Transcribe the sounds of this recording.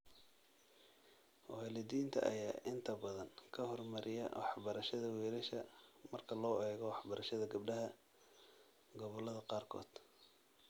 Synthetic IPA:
wɑlɪd̪iːnt̪ʰɐ̰ʔɐjaːʔɪnt̪ʰɐbɐðɐŋkʰɐhɔrmɐɾʔɪjɐ̰wɑħbɐɾɐʃɐðɐwɛːɾɐʃɐmɐrkʰɐlɔːɛːɣɔwɑħbɐɾʔɐʃɐðɐɡɐbɖɐɦɐ | ɡɔβɔlɐðɐqɑːrkʰɔ̰ːd̪̥

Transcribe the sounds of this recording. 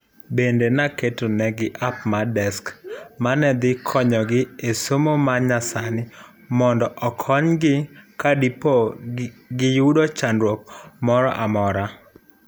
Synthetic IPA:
bendenaketonɛɡɪʔap̚madɛskmanɛd̪ɪkʰɔɲɔɡɪesomomaɲasanɪ | mɔndɔʔɔkʰɔɲɡɪkadipo | ɡɪjudot͡ʃandɾwok̚mɔɾɔ̰ʔamɔɾa

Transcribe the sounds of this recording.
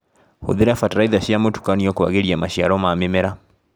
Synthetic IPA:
ho̰ðiɾaafataɾaiðaʃiamotu̥kaniɔkowa̰ɣeɾiamaʃiaɾɔmamemɛɾa

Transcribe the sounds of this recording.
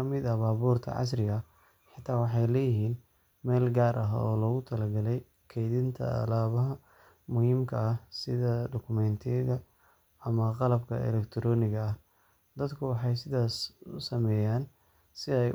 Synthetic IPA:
ɐmɪd̪ɐbaːβuːrt̪ʰɐ̰ʕɑ̰s̬rɪɣɐ | ħɪt̪ʰaːwɑħɑjlɛːjɪɦiːn | mɛːlɡaːɾʔɐɦɐ̰ɔːlɔːɣʊt̪ʰɐlɐɡɐlɛj | kʰɛjðɪnt̪ʰɐ̰ɐ̰laːβɐɦɐ | mʊhiːmkʰɐɐsɪðɐɖɔkʰʊmɛnt̪ʰɪjɐɣɐ | ɐmɐqɑlɐbkʰɐ̰ɛ̰lɛkt̪ʰɾɔːnɪɣɐɐh | d̪ɐd̪kʰʊwɑħɑjsɪðaːsʊsɐmɛːjaːn | sɪɛj

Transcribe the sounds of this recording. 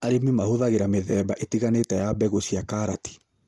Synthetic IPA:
aɾemimahoðaɣeɾameðɛːbaʔetiɣanetɛjabɛɣoɕiakaɾati̥

